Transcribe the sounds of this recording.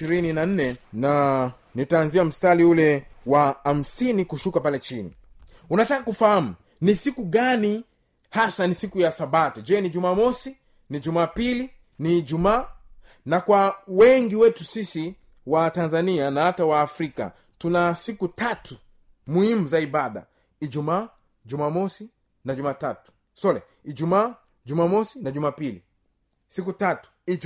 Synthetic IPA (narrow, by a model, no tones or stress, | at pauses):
iɾininan̩nɛna | nitaːnziam̩staliulɛwaam̩sinikuʃukapalɛt͡ʃinḭ | unatakakufaham̩ | nisikuɠani | hasanisikujasaɓatud͡ʒɛniʄumaːmɔsi | nid͡ʒumaːpili | nid͡ʒumaː | nakwawɛŋɡiwɛtusisi | watanzanianahatawaːfɾika̰ | tunasikutatu | muhimuzaiɓaɗa̰ | id͡ʒumaː | d͡ʒumamɔsi | nad͡ʒumaːtatu̥ | sɔlɛ̰ | id͡ʒumaː | d͡ʒumaːmɔsinaʄumaːpilḭ | sik̬utatu̥i